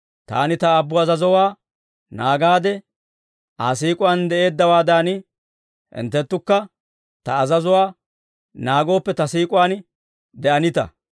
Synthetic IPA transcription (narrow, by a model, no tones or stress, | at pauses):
t̪a̰ːnɪt̪ɐːbːʊɐzɐzɔwaː | naːɡaːd̪ɛ | aːsiːkʼʊwand̪ɛʔe̞ːd̪ːɐwaːd̪an | ɪ̰nt̪ːɛt̪ːʊkːɐ | t̪ɐːzɐzɔwaː | naːɡo̞ːpːɛt̪ɐsiːkʼʊwaːn | d̪ɛʔɐnɪt̪ɐ̰